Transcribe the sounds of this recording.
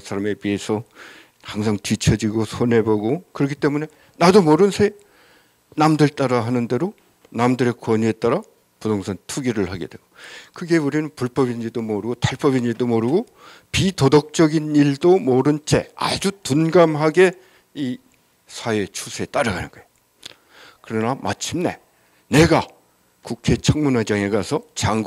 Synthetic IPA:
sʰaɾame̞pie̞sʰʌ | haŋsʰaŋtɥit͡ɕʰʌd͡ʑiɡosʰonɦe̞bʌɡokɯɾʌkʰi̥t͈e̞mune̞ | nadomʌɾɯnsʰe | namdɯɭt͈aɾaɦanɯnde̞ɾo | namdɯɾe̞kwʌɲue̞t͈aɾa | putʰoŋsʰʌŋtʰuɡiɾɯɭhaɡe̞̰d̥we̞ɡokɯɡe̞uɾinɯnpuɭp͈ʌbiniɭdomoɾɯɡotaɭp͈ʌbiɲiɭdomoɾɯɡo | pitodʌk̚t͡ɕ͈ʌɡiniɭdomoɾɯnt͡ɕʰe̞̰a̰d͡ʑutunɡamɦaɡe̞ | i | sʰaet͡ɕʰusʰeet͈aɾɯɡanɯ̰nɡ̥ʌej | kɯɾʌnama̰t͡ɕʰimne̞̰ | ne̞ɡa | kukʰe̞t͡ɕʰʌŋmunad͡ʑaŋe̞ɡasʰʌt͡ɕaŋɡ

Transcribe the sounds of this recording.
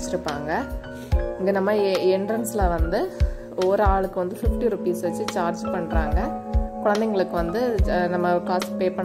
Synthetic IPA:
t͡ʃːɪɾɯpːaːŋɡɐ | ɪŋɡeːnɐmːɐɛɳɖɾɐnslɐʋɐnd̪ɯ | oːɾɯaːɭɯkːɯʋɐnd̪ɯfɪfʈiɾʊpiːsʋɐt͡ʃːɯt͡ʃaːɾd͡ʒpɐɳːɾaːŋɡɐkʊɻɐnd̪ɛŋɡɐɭɯkːɯʋɐnd̪ɯnɐmːɐkaːspeːpɐɳ

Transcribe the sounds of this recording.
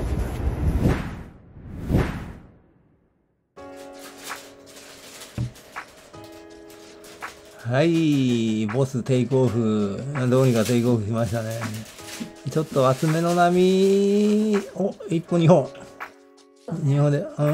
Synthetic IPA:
hai | bo̞sɨt̪e̞iko̞ːɸɯ̟ad̪o̞ːɲ̟ikat̪e̞iko̞ːɸɯ̟ɕimaɕi̥t̪ane̞ | t͡ɕo̞t̪ːo̞at͡sɨme̞no̞namʲi | oipːoɲ̟iɦõ | ɲihõnd̪ẽ

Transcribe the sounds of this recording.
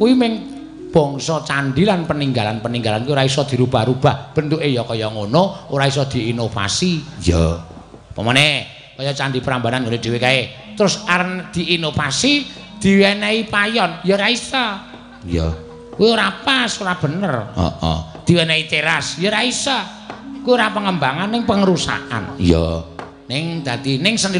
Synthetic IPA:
kuimɪŋ | b̥ɔ̤ŋsɔt͡ʃanɖilanpəniŋɡalanpəniŋɡalankuioɾaisɔd̪̥i̤ɾub̥a̤hɾub̥ahb̥ə̤nt̪uʔejɔkɔjɔŋonooɾais̬ɔd̪̥i̤ːnofa̰sijɔ | pəmɔnɛ | kɔjɔt͡ʃand̪ipəɾambananŋonod͡ʒ̥iwekae | t̪əɾʊsaɾənd̪̥i̤ːnofasi | d̪̥i̤wɛnɛipajɔnjəɾaisɔ | jɔ̰ | kuioɾapasoɾab̥ə̤nərɔ̰ʔɔ̰d̪̥i̤wɛneit̪eɾasjəɾaisɔ | kwioɾapəŋəmbaŋanːɪŋpəŋəɾusa̰ʔa̰njɔ̰ | nɪŋd̪̥ä̤d̪inɪŋsəni

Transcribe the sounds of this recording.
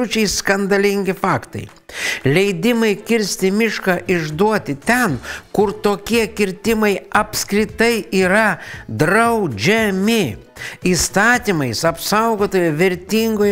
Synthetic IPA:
ʊt͡ʃʲɛɪskɐnd̪ɐlʲɪŋʲɡʲɪfɑːkt̪ɐ̰ɪ | lʲɛɪd̪ʲɪmɐɪkʲɪɾʲsʲt̪ʲɪmʲɪʃkɑːʔɪʒd̪uɔt̪ʲɪt̪ʲɛnkʊɾt̪oːkʲiɛkʲɪɾʲt̪ʲɪmɐɪɐpskɾʲɪt̪ɐɪiːɾɐd̪ɾɐʊd͡ʒʲɛmʲɪiːst̪ɑːt̪ʲiːmɐɪsɐpsɐʊɡoːt̪oːjɛʋʲɛɾʲt̪ʲiŋɡoːjɛ

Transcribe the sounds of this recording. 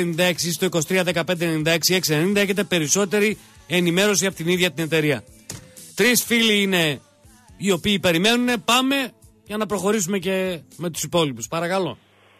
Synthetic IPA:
nind̪ɐe̞ksist̪o̞ikos̬it̪ɾiɐðe̞kɐpnd̪enenind̪ɐeksie̞ksienenind̪ɐe̞çe̞t̪epe̞ɾiso̞t̪e̞ɾi | e̞nime̞ɾo̞s̬iɐpot̪iniðʝɐt̪ine̞t̪e̞ɾiɐ | t̪ɾisfiliine̞ | io̞piːpe̞ɾime̞nune̞pɐme̞ | ʝɐnɐpɾo̞xo̞ɾis̬ume̞ce̞me̞t̪u̥sipo̞lipuspɐɾɐkɐlo̞̰

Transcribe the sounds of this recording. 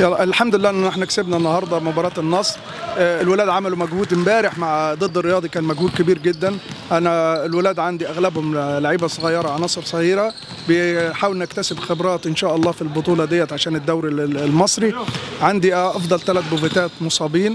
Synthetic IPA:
jɑʔɪlħamd̪ʊɪlːæːʔnːʔɪħnæksɪbnæʔnːɑhɑɾˤd̪ˤɑmʊbɑːɾˤɑːt̪ɪnːɑsˤ | ɪlwɪlæːd̪ʕamælumæɡhuːd̪ɪmbæːɾɪħmaʕd̪ˤɨd̪ːɪrːɪjɑːd̪ˤikæːnmæɡhuːd̪̚kɪbiːɾɡɪd̪ːænʔænæɪlwɪlæːd̪ʕand̪iʔæɣlæbhʊmlaʕiːbæsˤʊɣɑjːɑɾˤɑʕanɑːsˤɨɾsˤæɣiːɾæ | bɪħaːwɪlnækt̪æsɪbxɪbɾˤɑːt̪ʔɪnʃæːʔɑlˤːɑːfilbʊt̪ˤuːlɑd̪ɪjːæt̪ʕaʃæːnɪd̪ːæwɾilmɑsˤɾiʕand̪iʔɑfd̪ˤɑlt̪ælæt̪̚bʊvɪt̪æːt̪mʊsˤɑːbiːn

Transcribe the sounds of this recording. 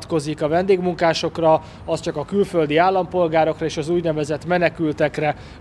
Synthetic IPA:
t̪ko̞zikɒvɛnd̪eːɡmuŋkaːʃo̞krɒ | ɒst͡ʃɒkɒkylfø̞ld̪iaːlːɒmpo̞lɡaːɾo̞krɒeːʃɒzuːɟnɛvɛzɛt̪mɛnɛkylt̪ɛkrɛ

